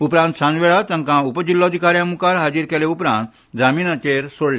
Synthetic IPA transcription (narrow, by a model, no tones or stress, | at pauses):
upɾãnt̪sãnʋeɭat̪ɐ̃ŋkãupəd͡ʑilːɔd̪ʱikaɾjãmukaɾɦad͡ʑiɾkɛleupɾã̰nt̪ | d͡zamiːnat͡ɕeɾsoɽle